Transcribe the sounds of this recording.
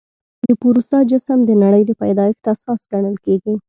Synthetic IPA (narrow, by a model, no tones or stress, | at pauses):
d̪əpuɾusad͡ʒɪsəmd̪ənaɽəjd̪əpajd̪ɑjəxt̪asɑsɡaɳ̃əlkeɡi